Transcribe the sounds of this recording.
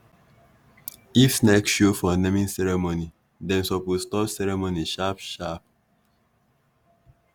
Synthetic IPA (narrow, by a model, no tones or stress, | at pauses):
ifsnɛkʃofɔnɛmĩnsɛɹɛmoni | dɛ̃nsɔpwilstɔpsɛɹɛmoniʃapʃap̚